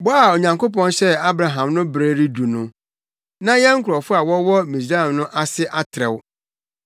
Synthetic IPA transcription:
bɔ˦a˨o˨ɲã˨ŋko˦pɔ̃˦nɕɛ˦a˦bɾa˨ɦã˨mnʊ̃˦bɾeː˦ɾi˦du˨nʊ̃˦ | nã˦jɛ̃˦ŋ̩˦kʰʊ˨ɾɔ˨fʊ˦a˨wɔ˦wɔ˦mi˨s̬ɾa˦˨mnʊ̃˦ʔa˦sɪ˦ʔa˦tʰɾɛ˨w

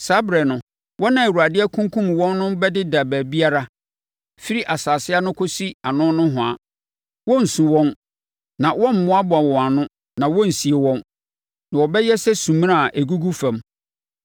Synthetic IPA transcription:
sa˨˦bɾɛ˨nʊ̃˨ | wʔɔ˦nã˨e˨ɾu˨a˨dɪ˦ɛ˦kʰũ˦ŋ˦kʰũ˦m˨wɔ̃˦nːʊ̃˦bɛ˦dɪ˦da˨bæː˨bi˦a˦ɾa˦ | fi˦ɾi˦ʔa˨saː˨sɪ˦a˦nʊ̃˦kʰo˦si˦a˨nʊ̃˦nʊ̃˦ɦʊ̃˨a̰˨ | wɔ̃˦n̩˨sũ˨wɔ̃˦n | nã˨wɔ̃˦m̩˨mʊ̃˦a˦bʊ˨a˨wɔ̃˨a˨nʊ̃˦ | nã˨wɔ̃˦n̩˨si˨e˨wɔ̃˦n | nã˨wɔ˨bɛ˦jɛ˦sɛ˦sũ˨m̃˦a˦˨ʔe˨ɡu˦ɡu˦fã˨m

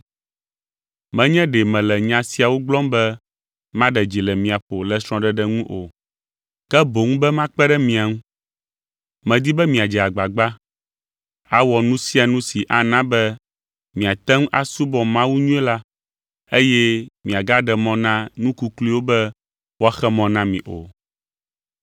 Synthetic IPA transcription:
mɛ̃˦ɲɛ̃˦ɖɛ˨mɛ̃˨lɛ˨ɲã˦si˦a˨wo˦ɡ͡blɔ̃˦mbɛ˦ | mã˦ɖɛ˨d͡ʒi˨lɛ˨mĩ˨a˨ɸo˨lɛ˨sɾɔ̃˦ɖɛ˦ɖɛ˦ŋũ˦ʔo˨ | kɛ˦bo˨ŋũ˦bɛ˦mã˦k͡pɛ˦ɖɛ˦mĩ˨a˨ŋũ˦ | mɛ̃˨d̪i˦bɛ˦mĩ˨a˨d͡ʒɛ˨a˨ɡ͡ba˨ɡ͡ba˦ | a˨wɔ˨nũ˦si˦a˨nũ˦si˨ʔa˨nã˦bɛ˦ | mĩ˨a˨t̪ɛ˦ŋ˦ʔa˨su˦bɔ˨mã˦wu˦ɲũ˦ɛ˦la˦ | e˦jɛ˦mĩ˨a˨ɡa˦ɖɛ˨mɔ̃˦nã˦nũ˦ku˦kli˦wo˦bɛ˦ | wo˦a˦xɛ˦mɔ̃˨nã˦mĩ˨ʔo̰˨

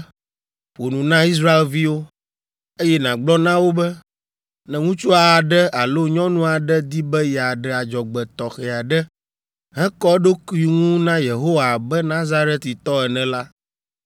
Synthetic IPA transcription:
ɸo˨nũ˨nã˦i˦s̬ɾa˦e˨lvi˦wo˦ | e˦jɛ˦nã˨ɡ͡blɔ˦nã˦wo˦bɛ˦ | nɛ̃˨ŋũ˦t͡ʃu˦a˨a˨ɖɛ˦a˨lo˦ɲɔ̃˦nũ˦a˨ɖɛ˦d̪i˦bɛ˦jɛ˨a˨ɖɛ˨a˨d͡ʒɔ˨ɡ͡bɛ˨t̪ɔ˨xɛ˨a˨ɖɛ˦ | ɦɛ̃˦kɔ˦ɖo˦ku˦i˨ŋũ˦nã˦je˨ɦo˦wa˨bɛ˦nã˦za˦ɾɛ˦t̪i˨t̪ɔ˦ɛ˨nɛ̃˨la˦

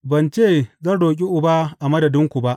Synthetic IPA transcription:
bɐ˨nt͡ʃeː˦˨zɐ˦˨ɽoː˨k̬ʲʼi˦ʔʊ˨ba˦ʔa˨mɐ˦dɐ˨dɪ˦ŋkʷu˨ba˦ʔ

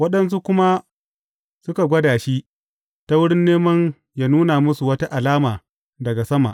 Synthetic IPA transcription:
wɐ˦ɗɐ˦ns̬u˦kʷʊ˦ma˦ | sʊ˦ka˨ɡʷɐ˦daː˨ʃi˦ | ta˦wʊ˦ɽɪ˦nːeː˦mɐ˦n | jaː˦nuː˦na˨mʊ˦su˨wɐ˦ta˦ʔa˨laː˦maː˨ | dɐ˨ɡa˨sɐ˦ma̰˨ʔ

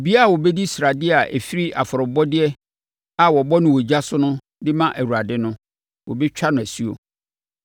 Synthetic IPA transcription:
e˨bi˦a˦a˨wɔ˨bɛ˦di˦sɾa˨dɪ˦a˨ʔæ̰˨fi˦ɾi˦ʔa̰˨fɔ˨ɾʊ˨bɔ˦dɪ˦ɛ˦ | a˨wɔ˨bɔ˦nʊ̃˦˨wɔ˨d͡ʑa˦sʊ˦nʊ̃˦ | dɪ˦mã˦ʔæ˨wu˨ɾa˨dɪ˦nʊ̃˦ | wɔ˨bɛ˦t͡ɕᶣa˦nʊ̃˨æ˨si˦o̰˨

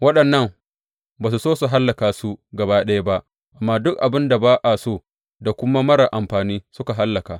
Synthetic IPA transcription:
wɐ˦ɗɐ˨nːɐ˦ŋ | baː˨s̬u˨soː˦su˨ɦa˦lːɐ˨kaː˨su˦ɡɐ˨baː˦ɗɐ˦ja˦ba˦ʔ | ʔa˨mːaː˦dʊ˦k̚ʔa˨bɪ˦nda˨baː˦ʔa˨soː˦˨ | da˨kʷʊ˦ma˦mɐ˦ɽa˨ʔa˨mɸaː˨niː˦sʊ˦ka˨ɦa˦lːɐ˨kaː˨

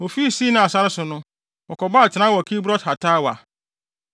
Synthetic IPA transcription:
ɔ˨fi˦˨siː˦nʊ̃˦a˨sa˦ɾɪ˦sʊ˨nʊ̃˦ | wɔ˨kɔ˨ba˦a˨tʰɪ˨nã˦wɔ˨kʰi˦bɾɔ˦tha˨tʰaː˦wa̰˨

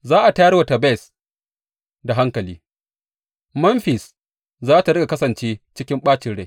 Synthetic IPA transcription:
zaː˦ʔa˨ta˦jɐ˦rwa˨tɐ˨bɛ˦˨s | da˨ɦa˦ŋkɐ˨liː˦ | mɐ˦mɸɪ˨s | zaː˦ta˨ɽɐ˦ɡa˨kɐ˦sɐ˨nt͡ʃeː˦t͡ʃɪ˦kʲɪ˦mɓaː˦t͡ʃɪ˨˦ɽe˦˨

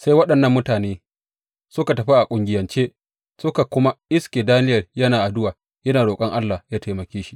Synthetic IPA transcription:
sa˦jwɐ˦ɗɐ˨nːɐ˦mːʊ˦taː˨neː˦ | sʊ˦ka˨tɐ˨ɸi˦ʔa˨kʷʼʊ˨ŋɡʲɪ˨jɐ˨nt͡ʃeː˦ | sʊ˦ka˨kʷʊ˦ma˦ʔɪ˦skʲeː˨daː˦nɪ˦jɐ˨rjɐ˦naː˨ʔa˨dʊ˦waː˨ | jɐ˦naː˨ɽoː˨kʼɐ˦ŋʔa˦lːaː˨jaː˦ta˨mɐ˨kʲeː˦ʃi̥˦ʔ

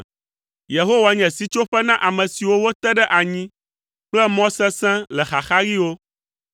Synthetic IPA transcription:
je˨ɦo˦wa˨ɲɛ̃˨si˦t͡ʃo˦ɸɛ˦nã˦ʔa˨mɛ̃˨si˨wo˦wo˦t̪ɛ˦ɖɛ˦ʔa˨ɲĩ˦ | k͡plɛ˦mɔ̃˦sɛ̃˦sɛ̃˦lɛ˨xa˨xa˦ɾi˦wo˦

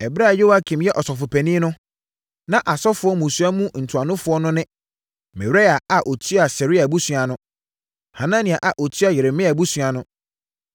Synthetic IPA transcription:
ɛ˨bɾa˦˨jo˦wa˦kʰĩ˨mjɛ˦ʔɔ˨sɔ˨fʊ˨pʰɛ˨nĩ˦nʊ̃˦ | nã˦ʔa˨sɔ˦fʊ˨˦ɔ˦mũ˨su˨˦a˦mũ˦n̩˨tʰu˨a˨nʊ̃˦fʊ˦ɔ˦nʊ̃˦nɪ̃˦ | mɛ˨wɾa˦a˨a˨ʔo˨tʰy˦a˨sɛ˨ɾi˦a˨bu˦su˨a˨nʊ̃˦ | ha˨nã˦nĩ˨a˨ʔa˨ʔo˨tʰɥa˨jɪ˨ɾɪ˨mɪ̃˦a˨bu˦sa˨nʊ̃˦

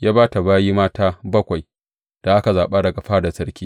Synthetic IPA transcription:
jaː˦baː˦ta˨baː˦jiː˦maː˦taː˦bɐ˦kʷa˨j | d̥a˨ʔa˦ka˨zaː˨ɓa˦dɐ˨ɡa˨ɸaː˦da˨sɐ˦rkʲiː˦

